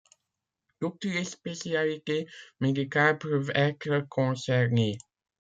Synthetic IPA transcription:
t̪ut̪lespesjalit̪emed̪ikalpøvɛt̪ɾəkʰɔ̃sɛʁne

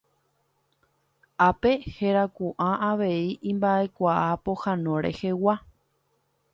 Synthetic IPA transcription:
ape̞heɾakuʔãʔaʋe̞iʔĩmbaʔe̞kʷaʔapo̞hãnõ̞ɾḛhe̞wa

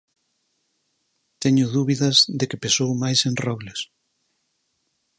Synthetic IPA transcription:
t̪ɛɲʊðuβiðɐzðekɪpesowmajsẽnrɔβlɪs

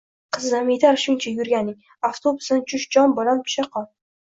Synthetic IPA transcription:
qʰɨznamed̪aɾʃʊnt͡ʃʰajʊɾɡʲanɪŋ | aft̪ʰobʊsnɪt͡ʃʰʊʃd͡ʒɒnbolanp̪ʰʊ̥ʃaqʰɒn

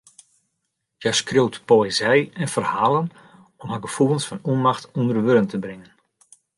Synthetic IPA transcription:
jɛjskrowtpoezɛjɛnfərhaːlˠən | ɔmɦəɡəfuəlnˠsfɔnuənmaxtʰundərʋøɾəntəbrɪŋən

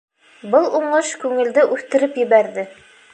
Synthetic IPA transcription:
bɤlˠuɴɤʃkʉŋɘ̆ld̪ɘʔʉθt̪ɘ̆ɾɘpjɘ̆βæɾðɘ

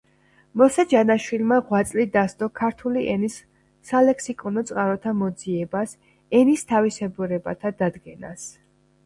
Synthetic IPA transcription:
mɔsad͡ʒanaʃwilmaʁwat̪sʼlid̪ast̪ʼɔkʰaɾt̪ʰuliʔɛnisː | alɛksikʼɔnɔt̪sʼqʼaɾɔt̪ʰamɔd̪ziɛbas | ɛnist̪ʰavisɛbuɾɛba̰t̪ʰad̪ad̪ɡɛna̰s

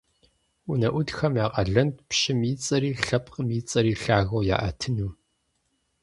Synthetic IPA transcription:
ʊnɐʔʷʊdxɐmjaːqʼɐɮɐntpʃɪmiːt͡sʼɐɾiːɬɐp̚ʰʼqəmiːt͡sʼɐɾiːɬaːɣɐwja̰ːʔɐtʰɨnuː

